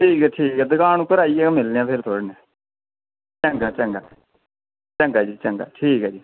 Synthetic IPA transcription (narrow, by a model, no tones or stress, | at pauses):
ʈʰiːkɛːʈʰiːkɛːd̪əɡaːnũːkəɾaːiːɛmɪlːãːpʰɪɾt̪ʰoɽnɛː | t͡ʃəŋɡaːt͡ʃəŋɡa̰ː | t͡ʃəŋɡaːd͡ʒiːt͡ʃəŋɡa̰ːʈʰiːkɛːd͡ʒiː